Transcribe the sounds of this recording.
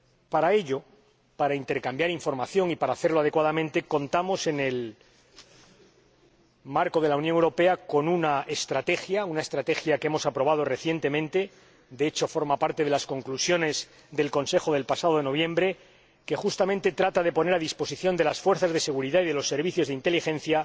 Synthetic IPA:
paɾae̞ʎo̞ | paɾaint̪e̞ɾkambjaɾiɱfo̞ɾmaθjo̞ŋipaɾaːθeɾloað̞ekwaðamẽ̞nt̪e̞ko̞nt̪amo̞se̞ne̞l | maɾko̞ðe̞launjoŋewɾope̞ako̞nunaest̪ɾat̪e̞xjaunaest̪ɾat̪e̞xjakemo̞sapɾo̞β̞að̞o̞re̞θje̞nt̪e̞mẽ̞nt̪e̞ | d̪eet͡ʃo̞fo̞ɾmapaɾt̪e̞ð̞e̞lasko̞ŋklusjo̞ne̞z | ðe̞lko̞nse̞xo̞ð̞elpasaðoeno̞β̞jembɾe̞ | ke̞xust̪amẽnt̪e̞t̪ɾat̪aðe̞po̞ne̞ɾaðispo̞siθjo̞nd̪e̞lasfwe̞ɾθazðe̞se̞ɣ̞uɾiðaiðelo̞sːe̞ɾβiθjo̞zðint̪e̞lixe̞nθja

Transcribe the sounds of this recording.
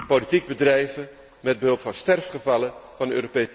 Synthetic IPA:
politiɡ̚bədrɛjvə | mɛd̚bəɦɵlˠpfɑnstɛrfχəvɑlˠəv̥ɑnəøːɾope

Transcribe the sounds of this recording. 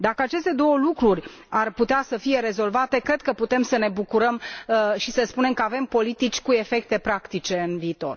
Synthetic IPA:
d̪akəat͡ʃe̞st̪e̞d̪o̞wəlukɾurʲ | arput̪easəfije̞ɾe̞zo̞lvat̪e̞kɾe̞d̪̚kəput̪e̞msəne̞bukuɾəmʃisəspune̞mkəave̞mpo̞lit̪it͡ʃʲkue̞fe̞k̚t̪e̞pɾakt̪it͡ʃe̞ɨnviːt̪o̞̰r

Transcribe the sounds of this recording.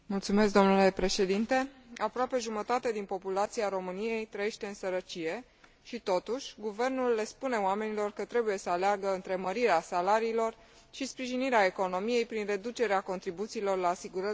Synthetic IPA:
mult̪sume̞s̬k̚d̪o̞mnule̞pɾe̞ʃe̞d̪int̪e̞apɾoape̞ʒumət̪at̪e̞d̪inpo̞pulat̪siaɾo̞mɨnije̞jt̪ɾəje̞ʃt̪e̞ɨnsəɾət͡ʃije̞ | ʃit̪o̞t̪uʃʲɡuve̞rnulːe̞spune̞oame̞nilo̞rkət̪ɾe̞buje̞səaleaɡəɨnt̪ɾe̞məɾiɾeasalaɾiːlo̞r | ʃispɾiʒiniɾeae̞ko̞no̞mije̞jpɾinre̞d̪ut͡ʃe̞ɾeako̞nt̪ɾibut̪siːlo̞rlaːsiɡuɾə

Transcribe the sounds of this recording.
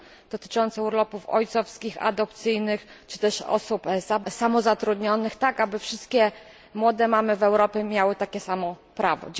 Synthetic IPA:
d̪̥ɔt̪ɘ̥t͡ʂɔnt̪sɛuɾlɔpufɔ̰jt̪sɔfskʲixa̰d̪ɔp̚t̪sɘjnɘxt͡ʂɘ̥t̪ɛʂɔ̰supzasamɔzat̪ɾud̪ɲɔnɘxt̪akabɘfʂɘst̪̚kʲɛ | mwɔd̪ɛmamɘvɛwɾɔpʲɛmʲjawɘt̪akʲɛsamɔpɾavɔ̰d͡ʑ

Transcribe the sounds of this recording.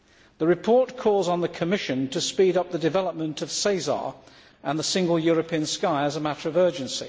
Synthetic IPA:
ðəɹɨpʰɔɹtkʰɔlˠzn̩ðəkʰəmɪʃɨ̃ntʰəspiɾʌp̚ðədɨvɛlˠəp̚mə̃ntʰʌv̥seɪzɑ̰ɹ | ʔə̃nðəsɪ̃ŋɡəlˠjɔɹəpʰiə̃nskaɪəzəmæɾə˞ʌvɜ˞d͡ʒɨ̃nsḭ

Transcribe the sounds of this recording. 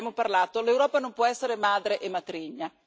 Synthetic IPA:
amoparlaːt̪olewɾɔːpanompwɔɛsːeɾemaːd̪ɾeʔemat̪ɾiɲːa

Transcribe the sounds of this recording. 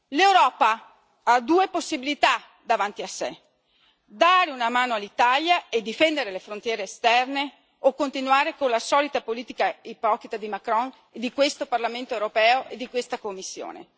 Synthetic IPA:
lewɾɔːpa | ad̪uːeposːibilit̪a | d̪avant̪iasːḛ | d̪aːɾeunamaːnoalːit̪aljaed̪ːifɛnd̪eɾelefɾont̪jɛːɾeːst̪ɛrne | okːont̪inwaːɾekonlasɔːlit̪apoliːt̪ikaipɔkɾit̪ad̪imakɾɔn | ed̪ikwest̪oparlament̪oewɾopɛːoʔed̪ːikwest̪akomːisːjo̰ːnḛ

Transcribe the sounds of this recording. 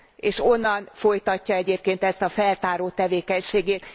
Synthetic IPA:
eːʃo̞nːɒnfo̞jt̪ɒcːɒɛɟeːp̚keːnt̪ɛst̪ɒfɛlt̪aːɾoːt̪ɛveːkɛɲʃeːɡeːt̪

